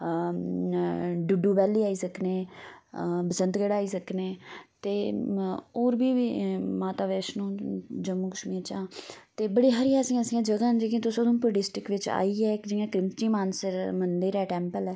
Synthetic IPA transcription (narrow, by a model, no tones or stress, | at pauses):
ɖʊɖuːbɛːliːaːiːsəkneː | bəsə̃nt̪ɡəɽaːiːsəkneːt̪eː | oːɾbiːʋiːmaːt̪aːʋɛːʃnũːd͡ʒəmːũːkəʃmiːt͡ʃãːt̪eːbəɽiːɦəɾijãːsĩːsĩːãːd͡ʒəɡãːnd͡ʒeːkĩːt̪ʊsoːd̪õːpɾoːɖɪsʈɪkʋɪt͡ʃa̰ːiːɛːɪkd͡ʒɪjãːkɾɪmt͡ʃiːmaːnsəɾmənd̪ɪɾɛːʈɛ̃ːmpəlɛː